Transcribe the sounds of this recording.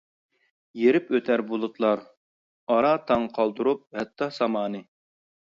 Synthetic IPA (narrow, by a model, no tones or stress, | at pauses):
jeɾɪpøt̪ʰæɾbulˠut̪ʰlˠɑɾ | ɑɾɑt̪ʰɑŋqʰɑlˠd̪uɾup̚hɛt̪ʰːɑsɑmɑːnɨ